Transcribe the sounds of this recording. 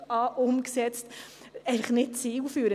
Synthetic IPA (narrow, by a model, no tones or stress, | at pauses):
ɑʔʊmksɛt͡st | ɛɪfləχnɪt̚t͡siːwfyːɾə